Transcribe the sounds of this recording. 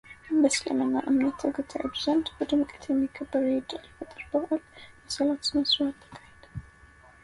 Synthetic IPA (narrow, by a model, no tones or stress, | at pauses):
bɐslɐ̰mɐnaʔɨmnɐt̪ʰːɨɡɨt̪ʰiʕɨ̰bzɐnd̪bɨd̪ɨmkʼi̥t̪ʰjɛmːɨkʰɐbːɐɾjɪd̪ɨlɨfɨt̪ʼɨɾb̥ɨxalmɐsɐlat̪z̥ɨmɐswat̪ʰːɐ̥kʰːahid̪̥